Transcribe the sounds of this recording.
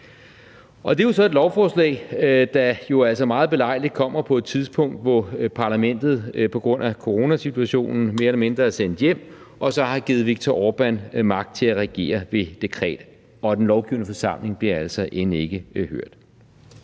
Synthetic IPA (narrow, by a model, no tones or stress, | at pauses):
ʔɒ̽d̥e̝josɒ̽e̝d̥lɒʊfɒːslɛ̰ɪd̥ɑjo̝æl̰sɒmɑ̈ːð̩ˠb̥e̝lɑ̈ɪ̰lid̥̚kʰɒ̽m̰ɐpʰɒ̽e̝d̥̚t͡sʰiðˠspʰɔ̽ŋ̰d̥ʋɒpʰɑ̈læmen̰d̥ð̞̩ˠpʰɒ̽ɡ̥ʁɔ̽n̰ækʰo̝ʁo̝næsit͡sʰuæɕo̝̰ːnn̩me̝ːɐelɐme̝nd̥ʁɐæsen̰d̥jem̰ | ʔɒ̽sɒ̽hɑ̈ɡ̥iːð̩ˠʋiɡ̥̚t͡sʰɒɒːb̥ænmɑ̈ɡ̥̚d̥̚t͡sʰe̝læʁɛɡ̥e̝̰ːɐʋe̝d̥e̝kʰʁɛ̰ːd̥ | ɒ̽d̥enlɒʊɡ̥iʊnəfɒsɑ̈m̰le̝ŋb̥liɐæl̰sɒ̽ʔenəe̝ɡ̥əhøɐ̰d̥